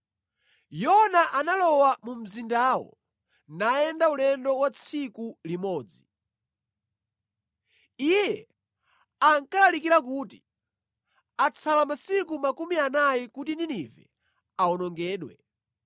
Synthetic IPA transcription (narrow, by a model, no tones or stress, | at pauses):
jɔnaʔanalɔwamum̩zindaːwɔ̰ | naɛndaulɛndɔwat͡sʰikulimɔːd͡zi | ijɛ | aŋkalalikiɾak̬uːti | at͡sʰalamasik̬umakumianajikutindinivɛ̰ | aɔnɔŋɡɛːɗwɛ̰